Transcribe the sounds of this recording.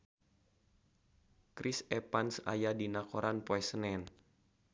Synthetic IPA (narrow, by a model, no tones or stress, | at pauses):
kɾʔisɛpansa̰jadinakoɾanpoɛsənɛn